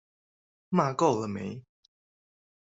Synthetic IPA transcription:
ma˥˨ko˥˨ʊlə˨mḛ˨˦ɪ

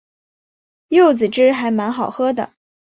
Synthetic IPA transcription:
jo˥˩ʊt͡sɹ̩˨˩ʈ͡ʂɻ̩˥xa˧˥ɪma˧˥nxɑ˨˩ʊxɤ˥d̪ə̰˨

